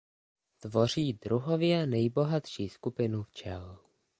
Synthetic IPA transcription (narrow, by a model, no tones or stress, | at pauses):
t̪vo̞r̝iːdɾuɦovjɛnɛjbo̞ɦat̪ʃiːskupɪnuft͡ʃɛl